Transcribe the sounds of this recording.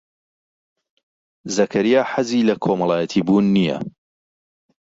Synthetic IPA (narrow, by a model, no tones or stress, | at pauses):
zɐkʰɐɾijaːħaziːlɐkʰomɐlˠaːjɐt̪ʰiːbuːnːijɐ̰